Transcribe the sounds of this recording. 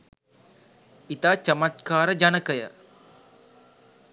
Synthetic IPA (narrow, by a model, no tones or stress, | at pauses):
it̪at͡ʃəmat̪kaːɾəd͡ʒanəkəjə̰